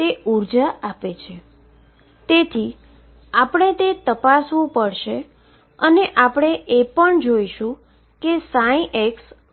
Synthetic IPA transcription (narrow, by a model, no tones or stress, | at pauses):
t̪euɾd͡ʒaʔapet͡ʃʰe | t̪et̪ʰi | apəɽ̃et̪et̪əpasʋũpəɽʃe | əneʔapəɽ̃eʔepəɳd͡ʒoiʃũ | kesaĩʔeks